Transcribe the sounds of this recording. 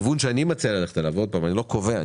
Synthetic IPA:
vunʃeanimat͡sealaleχt̪alaːvod̪̚paːmanilo̞kovea

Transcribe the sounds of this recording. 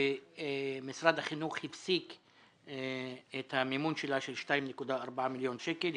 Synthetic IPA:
e | misɾad̪haχinuχhifsik | et̪hamimunʃelaʃelʃtajimnekud̪aːɾbaʕamiljo̞nʃekel

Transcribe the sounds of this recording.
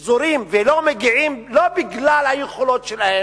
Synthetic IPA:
zoɾimvelomeɡiʕimlobiɡlalhajeχolo̞t̪ʃelahe

